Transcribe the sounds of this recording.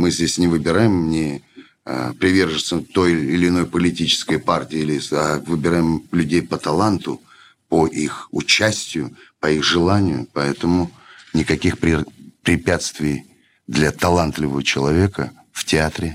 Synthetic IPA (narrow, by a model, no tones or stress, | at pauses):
mɨzʲdʲesʲnʲɪvɨbʲɪɾajɪmnʲɪ | ə̰pɾʲɪvʲe̞rʐɨsət̪o̞jɪlʲɪno̞jpəlʲɪtʲit͡ɕɪ̥skəjpartʲɪːilʲɪavɨbʲɪɾajɪmlʲʉdʲejpət̪ɐlˠant̪ʊ | pəʔixʊt͡ɕːæsʲtʲɪjʊpɐixʐɨlˠanʲɪjʊ̰pɐɛt̪əmʊnʲɪkɐkʲixpɾʲɪpɾʲɪpʲæt̪st̪vʲɪj | d̪lʲɐt̪ɐlˠant̪lʲɪvəvət͡ɕɪlˠɐvʲe̞kə | ftʲɪat̪ɾʲɪ